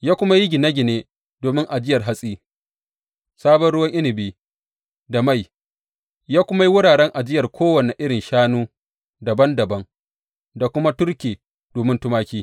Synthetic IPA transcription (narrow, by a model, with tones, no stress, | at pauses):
jaː˦kʷʊ˦ma˦ji˦ɡʲɪ˨nɐ˦ɡʲɪ˨neː˦ | doː˨mɪ˦ŋʔa˨d͡ʒɪ˦jɐ˨rɦa˦sʼiː˦ | saː˦bɔ˦nɽʊ˦wɐ˦ŋʔɪ˦nɪ˨biː˦ | da˨ma˦˨j | jaː˦kʷʊ˦ma˦ji˦wʊ˦ɽaː˨ɽɛ˦ŋʔa˨d͡ʒɪ˦jɐ˨rkʰʷoː˦wɐ˨ne˨ʔɪ˦ɽɪ˨nʃaː˦nuː˦ | dɐ˨bɐ˦ndɐ˨bɐ˦ŋ | da˨kʷʊ˦ma˦tʊ˦rkʲiː˨ | doː˨mɪ˦ntʊ˦maː˦kʲiː˦